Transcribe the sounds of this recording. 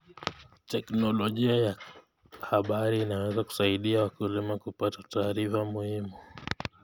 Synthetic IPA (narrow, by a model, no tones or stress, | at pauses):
tɛknɔlɔʄiaja | haɓaɾiːnawɛzaku̥saiɗiawakulimakupatataːɾifamuhimu